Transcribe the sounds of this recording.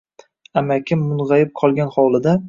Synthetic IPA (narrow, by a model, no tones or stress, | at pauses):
amakʲʰɪmːʊnʁajɪp̚qʰɒlˠɡʲanχɒwlˠɪd̪a